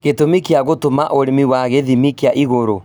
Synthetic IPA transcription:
ɣetomikeaɣotomaʔoɾemiwaɣeðimikeaʔiɣoɾo

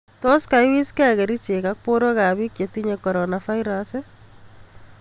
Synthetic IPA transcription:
tɔskaɪwiskɛkeɾit͡ʃekak̚poɾokaβikjetiɲekɔɾɔnafaiɾase

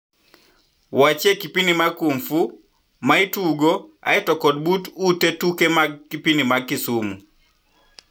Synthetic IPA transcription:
wat͡ʃekipinimakumfu | maituɡoa̰ɛtɔkɔd̚bututetukemaɡ̚kipinimaɡisumu

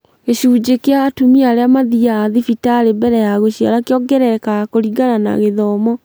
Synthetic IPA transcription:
ɣeɕuːd͡ʑekeaːtumiaɾeamaðiaːðifitaɾebɛɾɛjaɣoɕiaɾakeɔɡɛɾɛkakoɾiɡanana̰ɣeðɔmɔ

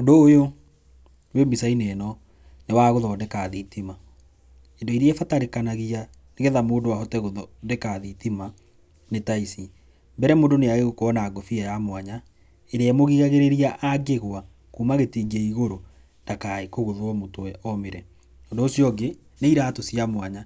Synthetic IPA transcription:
ondoːjo | wembisainenɔ | newaɣoðɔːndekaːðitima | endoiɾiɛfataɾekanaɣia | neɣeðamoːndowaɦɔtɛɣoðɔdekaðitima | netaisi | mbɛɾɛmoːndoneaɣeɣokoɔnaːɡofiajamwaɲa | eɾeɛmoɣiɣaɣeɾeɾiaʔaɡeɣwa | kuːmaɣetiːɡɛiɣoɾo | nd̥akaekoɣoðwɔmotowɛɔmeɾɛ | ɔːndoːsjɔɡe | neiɾaːtosijamwaɲa

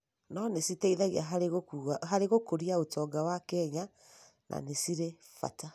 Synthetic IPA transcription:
nɔnesitɛiðaɣiaɦaɾeɣokuaɦaɾeɣokoɾiaotɔɡawakɛɲa | nʔa̰nesiɾe | fa̰ta

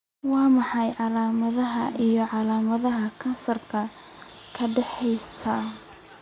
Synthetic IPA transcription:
wɑːmɑħɑjʕɑlaːmɐðɐɦɐʔijɞʕɑlaːmɐðɐɦɐkʰɐnsɐrkʰɐ | kʰɐɖɛħɛjst̪ʰaː

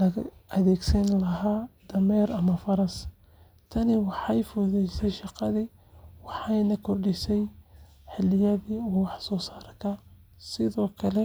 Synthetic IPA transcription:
lɐɣɐðɛːɡsɐnlɐɦaːd̪̥ɐmɛːɾɐmɐfɐɾɐs | t̪ʰɐnɪwɑħɑjfʊðɛjsɛjʃɑqɑði | wɑħɑjnɐkʰɔrɖɪsɛj | ħɪlɪjɐðiuːwɑħsɔːsaːrkʰɐ | sɪðɔːkʰɐlɛ

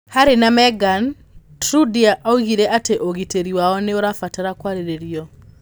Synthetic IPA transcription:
haɾenamɛɡan | tɾudiaʔauɣiɾɛʔateʔoɣiteɾiwaɔneoɾafataɾakwaɾeɾeɾiɔ

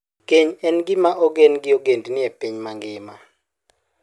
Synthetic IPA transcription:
keɲɛnɡɪmaʔoɡenɡɪoɡendnɪɛpiɲmaŋɡɪma

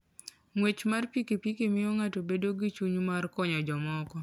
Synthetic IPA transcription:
ŋwet͡ʃmarpikepikemɪjoŋatobedoɡit͡ʃuɲmarkɔɲɔd͡ʒɔmɔkɔ

